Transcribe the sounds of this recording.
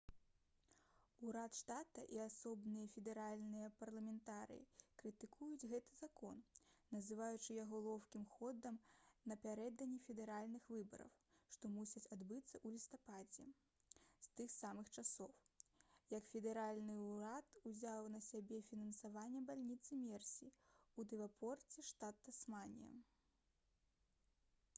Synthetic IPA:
uɾat̪ʂt̪at̪ɐʔiasɔbnɨjɐfʲɛd̪ɛɾalʲnɨjɐpɐrlˠɐmʲɛnt̪aɾɨ̰jḭkɾɨt̪ɨkʰujud͡zʲɣɛt̪ɨzakɔnnɐzɨvajut͡ʂɨjaɣɔlˠɔwkʲimxɔd̪ɐmnɐpʲaɾɛd̪ɐnʲːifʲɛd̪ɛɾalʲnɨxvɨbɐ̰ɾɐ̰wʂt̪ɔmusʲɐt͡sʲad̪bɨt̪sːɐʔulʲist̪apad͡zʲɛ̰ | st̪ɨxsamɨxt͡ʂasɔwjɐkfʲɛd̪ɛɾalʲnɨuɾat̪uzʲawnɐsʲabʲɛfʲinɐnsavanʲːɛbalʲnʲit̪sɨmʲɛrsʲiud̪ɛvapʰɔrt͡sʲɛʂt̪at̪ːɐsmanʲḭjɐ̰

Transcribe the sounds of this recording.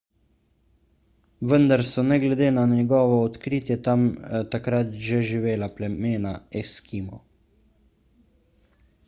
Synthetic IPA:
ʋənd̪aɾsɔnɛɡlɛd̪eːnanɛɡɔːʋɔɔt̪kɾiːt̪jɛt̪amt̪akɾat̪ʒeʒiʋeːlaplɛmeːnaɛskimɔ̰

